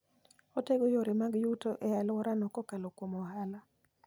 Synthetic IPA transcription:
oteɡojoɾemaɡjutoʔɛalwɔɾanɔkɔkalokwomɔhala

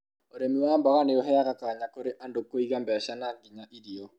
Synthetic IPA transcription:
oɾemiwaːmbaɣaneoɦɛaɣakaːɲakoɾeʔandokoiɣambɛʃanaŋɡiɲaʔiɾiɔ

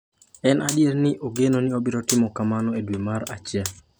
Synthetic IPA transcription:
ɛnʔadjeɾnɪʔoɡenonɪobɪɾɔtɪmɔkamanɔedwemaɾa̰t͡ʃɪa

